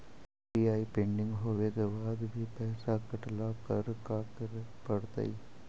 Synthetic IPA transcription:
iaːipẽːɳɖɪ̃ŋɡɦoːʋekebaːd̪bʱipɛːsakɐʈlakɐɾkaːkɾpɐɽt̪a̰i

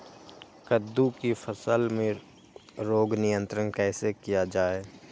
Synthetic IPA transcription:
kəd̪ːukifʰəsəlmẽ | ɾoːɡnɪjə̃nt̪ɾənkɛːsekijad͡ʒaːeː

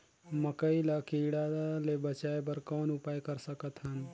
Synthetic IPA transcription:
məkəilakiɽalebət͡ʃaebəɾkɔːnʊpaːjkəɾsəkət̪ɦɐn

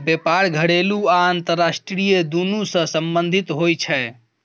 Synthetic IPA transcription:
bepaɾɡʱəɽeluaːnt̪əɾːasʈɾijed̪unusə̃səmbənd̪ʱit̪ɦojt͡ʃʰɛ

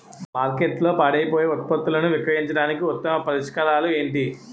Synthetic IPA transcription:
maːɾkeʈlo̞ːpaːɽɐjɐpoːjeːɔt̪̚pɐt̪ːulɐnuʋikɾɐɦiɲt͡ʃɐɽaːnikiɔt̪ːɐmɐpɐɾiʂkɐɾaːlue̞ːɳʈi

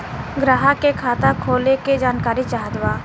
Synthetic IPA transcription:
ɡɾaːɦakekʰaːt̪akʰoːleked͡ʒaːnkaːɾit͡ʃaːɦd̪waː

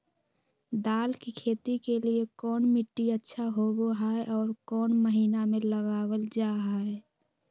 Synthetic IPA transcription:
d̪aːlkikʰeːt̪ikeliekɔːnmɪʈːiətːʃʰaɦoːɡoɦaeʔɔːɾkɔːnməɦiːnamẽləɡaːwəld͡ʒaːɦaɛ

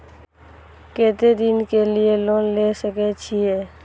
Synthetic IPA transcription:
keːt̪ed̪ɪnkelieloːnlesəket͡ʃʰiɦɛː

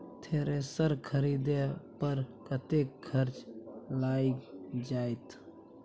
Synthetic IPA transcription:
t̪ʰeːɾesəɾkʰəɾid̪epəɾkət̪ekʰːəɾt͡ʃlaːid͡ʒaːet̪

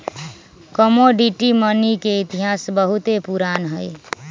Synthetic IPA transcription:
kəmoɖiʈimənikeit̪iɦasbəɦut̪epuɾanɦəj

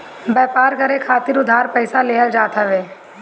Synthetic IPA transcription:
bɛːpaːɾkɐɾekʰaːt̪ɪɾʊd̪ʱaːɾpɛɪsaleːɦəld͡ʒaːt̪aʋeː

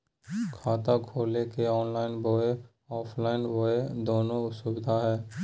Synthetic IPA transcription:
kʰaːt̪akʰoːlekeɔːnlaːɪnboːe | ɔːpʰlaːɪnboːed̪oːnõʊsʊbɪd̪ʱaɦɛː

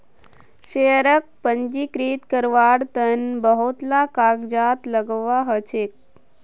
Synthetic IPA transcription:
ɕeɾək̚pəɲd͡ʒikɾiːt̪kəɾʋaːɽt̪ənbəɦut̪lakaɡd͡ʒat̪ləɡʋaɦət͡ʃek̚

